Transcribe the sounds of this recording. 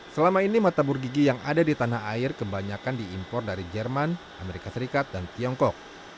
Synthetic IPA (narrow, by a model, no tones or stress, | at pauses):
səlamainimat̪aburɡiɡijaŋadadit̪anaɦaɪrkəbaɲakandiːmpɔrdaɾid͡ʒɛrman | ʔameɾikasəɾikat̪̚dant̪iɔŋkɔk̚